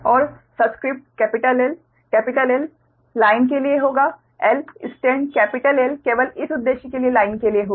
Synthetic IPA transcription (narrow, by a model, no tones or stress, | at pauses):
ɔːɾ | səbskɾip̚ʈkɛpiʈəlel | kɛpiʈəlelː | aink̬elijeɦoɡa | elisʈẽɳɖkɛpiʈəlelkeʋəlit̪ʰud̪ːeɕikelielainkelijeɦoɡa